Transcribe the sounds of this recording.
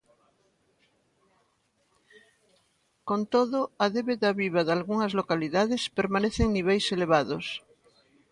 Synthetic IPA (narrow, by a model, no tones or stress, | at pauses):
kõnt̪oðoaðeβeðaβiβaðalɣuŋazlokaliðaðespeɾmaneθeŋniβ̞ejseleβ̞aðos